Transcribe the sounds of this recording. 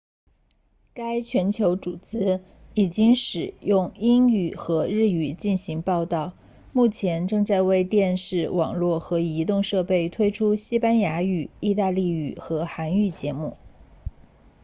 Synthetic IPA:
ka˥ɪt͡ɕʰɥɛ˧˥nt͡ɕʰjo˧˥ʊʈ͡ʂu˨˩t͡sɹ̩˥ | i˨˩t͡ɕi˥ŋʂɻ̩˨˩jʊ˥˧ŋi˥ŋy˥˨˩xɤ˧˥ɻɻ̩˥˩y˨˩t͡ɕi˥˩nɕi˧˥ŋpɑ˥˧ʊt̪ɑ˥˩ʊ | mu˥˩t͡ɕʰjɛ˧˥nʈ͡ʂɤ˥˧ŋt͡sa˥˧ɪwe˥˧ɪt̪jɛ˥˧nʂɻ̩˥˩wɑ̰˨˩ŋlwɔ˥˩xɤ˧˥i˧˥t̪ʊ˥˧ŋʂɤ˥˧pe˥˩ɪt̪ʰwe˥ɪʈ͡ʂʰu˥ɕi˥pa˥nja˧˥y˨˩i˥˧t̪a˥˧li˥˩y̰˨˩xɤ˧˥xa˧˥ny˥˩t͡ɕjɛ˧˥mu˥˩

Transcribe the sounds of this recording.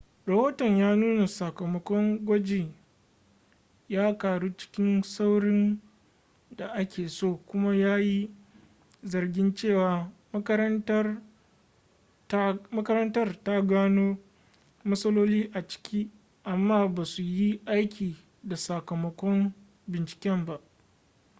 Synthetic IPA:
ɾɐ˨hoː˦tɔ˨ɲjaː˦nuː˦na˨sɐ˨kɐ˨mɐ˦kʷɔ˦ŋɡʷɐ˦d͡ʒeː˨ | jaː˦kaː˨ɽu˦t͡ʃɪ̥˦kʲɪ˦nsa˦wɽɪ˦n | da˨ʔa˦kʲeː˨soː˦˨kʷʊ˦ma˦jaː˦ji˦ | zɐ˨rɡʲɪ˦nt͡ʃeː˦˨waː˨m˦kɐ˦ɐ˦tɐ˦ | mɐ˦kɐ˦ɾɐ˦ntɐ˦rta˦ɡaː˦noː˦ | mɐ˦sɐ˦loː˦liː˦ʔa˨t͡ʃɪ̥˦kʲʰiː˦ | ʔa˨mːaː˦˨baː˨su˨ji˦ʔa˦jkʲiː˨ | da˨sɐ˨kɐ˨mɐ˦kʷɔ˦m | bɪ˨nt͡ʃɪ̥˨kʲɛ˦mba˦ʔ

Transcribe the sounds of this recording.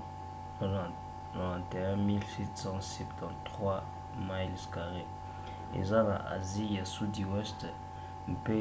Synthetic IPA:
nã˨t̪e˨ɛ̃˦mi˦lsɛ˦t̪sɑ̃˦sɛ˨pt̪ʰɑ̃˨ntt̪χwa˦ | ma˦jlska˨ʁe˦ | ḛ˨zã˦la˨ʔa̰˨zi˦ja˨su˦d̪i˨wɛ˦st̪ | m̩˨pe˦

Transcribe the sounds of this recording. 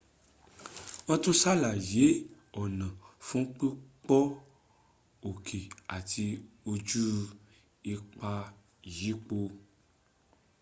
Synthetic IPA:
ɔ̃˦˧to˦sa˦la˨je˨˦ | ɔ˨nã˨fũ˦k͡pi˦k͡pɔ˦ | o˨kʰe˨a˨tʰi˧ | o˧d͡ʒu˦ | i˧k͡pa˧ | ji˨˦k͡po˧

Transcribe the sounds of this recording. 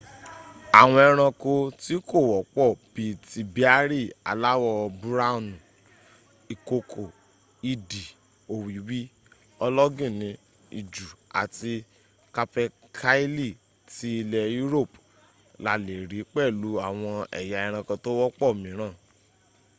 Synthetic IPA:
a˨w̃ɔ̃˧ɛ˧ɾ̃ã˧ko˧ti˦ko˦˨wɔ˨˦k͡pɔ˦˨b̥i˧˦ti˧bi˦a˦ɾi˦˨a̰˨la˦wɔ˧bu˦ɾa˦˨nũ˨ | i˨ko˧kʰo˨ | i˧di˨ | o˨wi˨˦wi˦ | ɔ˧lɔ˦ɡĩ˦˨nĩ˨˦ | ḭ˨d͡ʒu˨a̰˨ti˧ | ka˧pɛ˧ | kʰa˦i˦li˦˨ | ti˨˦i˧lɛ˧ju˦ɾo˦˨p | la˨le˨ɾi˨˦k͡pɛ˦˨lu˨˦a˦˨w̃ɔ̃˧ɛ̰˨ja˧ɛ˧ɾ̃ã˧kɔ˧to˦wɔ˦k͡pɔ˦˨mĩ˨˦ɾ̃ãː˦˨

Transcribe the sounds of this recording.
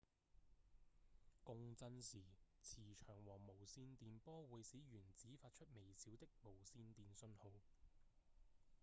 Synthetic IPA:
kʊ˧ŋt͡sɐ˧nsiː˨˩ | t͡sʰiː˨˩t͡ʃʰœː˨˩ŋwɔː˨˩ŋmo˨˩wsiː˧nt̪iː˨˧npɔː˥wuː˨˧jsiː˨˥jyː˨˩nt͡siː˨˥faː˧t̚t͡ʃʰɵ˥t̚me˨˩jsʰiː˨˥wt̪ɪ˥k̚mo˨˩wsiː˧nt̪iː˨nsɵ˧nho˨˧w

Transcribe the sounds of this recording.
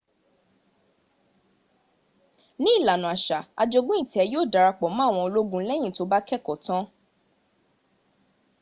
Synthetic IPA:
nĩ˦i˦˨la˨nũ˨a˨ʃa˨a˧d͡ʒo˧ɡũ˦ĩ˦˨ti˨˦ɛ˨˧joː˦˨da˨ɾa˧k͡pɔ˨˦mã˦˨w̃ɔ̃˧o˧lo˦ɡũ˦lɛ˦j̃ĩ˦˨to˨˦ba˦kɛ˦˨kɔ˨tã˦

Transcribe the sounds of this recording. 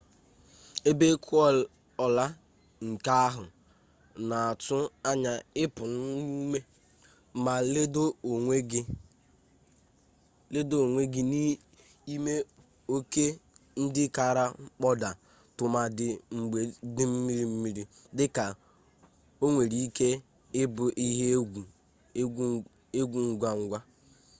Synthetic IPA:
e˦be˦kʰʊ˦ɔ˦˨ | ɔ˨la˦ | ŋ̩˨ka˦a˦ɦʊ˨ | na˨a˨tʊ˦a˦ɲa˨ɪ˦pʊ˨n̩˦nu˦me˦ | ma˨ldo˦˨e˦ | le˦do˦o˨ŋʷe˦ɡi˦ni˦ | i˦me˦ | o˦ke˦n̩˦dɪ˦ka˨ɾa˦k͡pɔ˦da˨ | tʊ˨ma˨dɪ˨ŋ͡m̩˨ɡ͡be˨dɪ˦m̩˦mi˦ɾi˦m̩˦mi˨ɾi˦ | dɪ˦ka˨ | o˦ŋʷe˨ɾi˦i˦ke˦ | ɪ˦bʊ˨ʔi˦ɦe˦ɡ | e˦ɡʷu˨ŋ̩˦ɡʷa˦ŋ̩˦ɡʷa˦

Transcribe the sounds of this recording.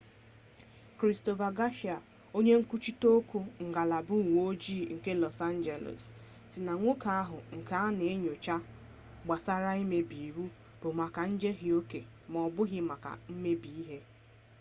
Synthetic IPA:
kɾi˨sto˨va˨ɡa˦ʃi˨a˨ | o˦ɲe˦ŋ̩˦ku˦t͡ʃi˦to˦ku˦ŋ̩˨ɡa˨la˨bʊ˦˨ŋ˨o˦d͡ʒiː˦˨ŋ̩˨ke˦lɔ˨sa˦n˦d͡ʒe˨lo̰˨s | sɪ˨na˨ŋʷo˦ka˦a˦ɦʊ˨ŋ̩˨ka˦a˦ne˨e˦ɲo˨t͡ʃa˦ | ɡ͡ba˨sa˦ɾa˦i˦me˦bi˨ɾu˦ | b̥ʊ˨ma˨ka˨n̩˦d͡ʒe˦ɦɪ˨o˦ke˨ | m˨ɔ˨bʊ˦ɣɪ˦ma˨ka̰˨m̩˦me˦bi˨i˦ɦe˦

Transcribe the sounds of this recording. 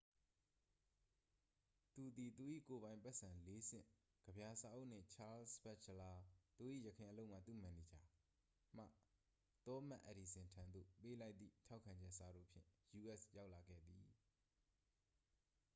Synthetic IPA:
t̪u˨d̪i˨t̪u˨ʔḭ˦˨ko˨βã˨ɪ̃mpɛ˦ʔsʰã˨le˦sɪ̰̃˦˨ | ɡ̥əbja˨sa˦ʔõ˦ʊʔn̥ɪ̰̃˦˨t͡ɕʰa˦lspɛ˦t͡ʃʰəla˨t̪u˨ʔḭ˦˨jəkʰɪ̃˨ʔə˨lo˦ʊʔm̥a̰˦˨t̪ṵ˦˨mã˨ni˨d͡ʑa˨ | m̥a̰˦˨ | t̪ɔ˦mã̰˦˨ʔə˨ɾi˨sɪ̃˨ntʰã˨nd̪o̰˦˨pe˦la˦ɪt̪ðḭ˦˨tʰa˦ʊkʰã˨ɲd͡ʑɛ˦ʔsa˨ɾo̰˦˨pʰjɪ̰̃˦˨ju˨ʔɛ˦˨sja˦ʊʔla˨ɡɛ̰˦˨d̪i˨

